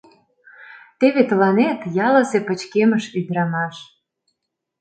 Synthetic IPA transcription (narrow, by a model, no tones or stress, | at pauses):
t̪eβet̪əlɑnet̪jɑlə̆sepə̆t͡ɕkeməʃyd̪ɾɑmɑʃ